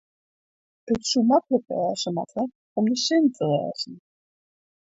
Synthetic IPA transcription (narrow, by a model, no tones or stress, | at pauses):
ətsumakləpɛːsəma̰tʰə | ɔmdəsɪntʰərɛ̰ːzn̩